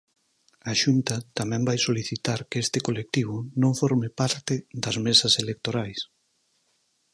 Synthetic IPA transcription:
aʃunt̪ɐt̪amɛ̃mbajsoliθit̪aɾkɪest̪ɪkolek̚t̪iβ̞ʊnõɱfɔɾmɪpaɾt̪ɪd̪ɐzmesɐselek̚t̪oɾajs

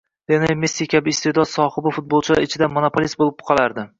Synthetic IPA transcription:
d̪enemesikʲʰabɪst̪ed̪ɒt̪sɒhɨbɪfʊt̪̚bolˠt͡ʃʰɪla̰ɾɪt͡ʃʰɪd̪amonopʰolʲisbolɪpqʰɑlˠaɾd̪ɪ

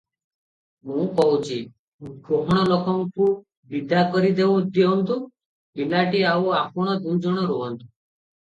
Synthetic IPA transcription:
mũːkɔɦut͡ʃʰi | ũɡɾoɦɔɽ̃ɔlɔkɔmku | bid̪akɔɾid̪eud̪eɔnt̪u | bilaʈiauapɔɽ̃ɔd̪und͡ʒɔɽ̃ɔɾoɔnt̪u

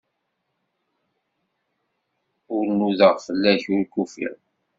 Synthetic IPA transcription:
ʊɾnːuðəʁfəlːæçʊɾkufḭʁ

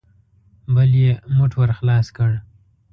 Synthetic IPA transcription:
bəljemʊʈwəɾxlɑskəɽ

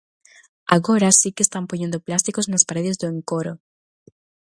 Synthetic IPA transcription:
aɣo̞ɾasikest̪ampoɲe̞nd̪oplast̪iko̞snaspaɾe̞ðe̞zðeeŋkoɾo

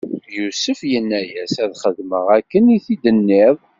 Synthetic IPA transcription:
jusəfjənːæjæsæðχəðməʁækːəniθid̪ənːɪðˤ

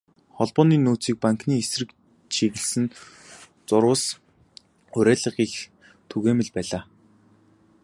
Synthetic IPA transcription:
χɔɮpɔːniːnuːt͡siːk̚paŋkniːesrɘ̆k̚ | t͡ɕʰiɣɘ̆ɮsɘ̆n | t͡sʊɾʊːs | ʊɾæːɮə̆ʁiːx | t̪ʰuɣeːmɘ̆ɮpæːɮaː

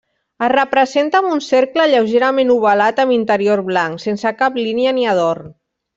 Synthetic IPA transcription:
ərəpɾəzent̪əmunseɾkləʎəwʒeɾamẽnuβalat̪əmint̪əɾioɾβlaŋksensəkapliniəniəð̞or

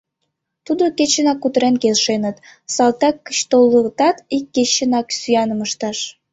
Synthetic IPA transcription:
t̪ud̪oket͡ɕənɑkːut̪əɾenkelʃenə̆t̪sɑlt̪ɑkːə̥t͡ɕt̪olːət̪ɑt̪ikːet͡ɕənɑksyjɑnəməʃt̪ɑʃ

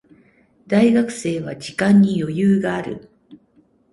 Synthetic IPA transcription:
d̪aiɡakɯ̟̥se̞ːβad͡ʑikãɲ̟ːijo̞jɯːɡaːɾɯ̰

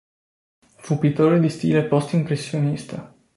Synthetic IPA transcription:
fupit̪oːɾed̪ist̪ḭːlepɔst̪impɾesːjonist̪ʰa

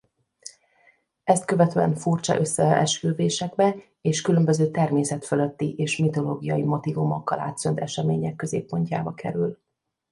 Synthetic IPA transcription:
ɛst̪kø̞vɛt̪øːɛɱfurt͡ʃɒ̰ʔø̞sːɛɛʃkøːveːʃɛɡbɛ | eːʃkylø̞mbøzøːt̪ɛrmeːsɛt̪følø̞t̪ːiʔeːʃmit̪o̞loːɡijɒjimo̞t̪ivumɒkːɒla̰ːt̪sønt̪ɛʃɛmeːɲɛkːø̞zḛːpːo̞ɲca̰ːbɒkʰɛ̰ɾyl

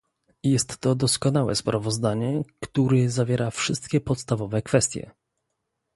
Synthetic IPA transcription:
jɛst̪ːɔd̪ɔskɔnawɛ̰spɾʔavɔzd̪aɲɛkt̪uɾɛzavʲjɛɾʔafʂɘst̪kʲɛpɔt̪st̪avɔvɛkfɛst̪ʲjɛ̰

